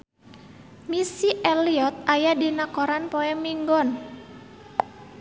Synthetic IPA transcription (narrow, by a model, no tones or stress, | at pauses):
misiʔeliɔt̪̚ajadinakɔɾanpɔɛmiŋɡɔn